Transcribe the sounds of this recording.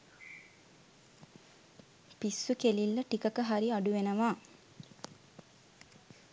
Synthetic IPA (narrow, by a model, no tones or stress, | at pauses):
pisːukelilːəʈikəkəɦaɾiaɖuʋenəʋaː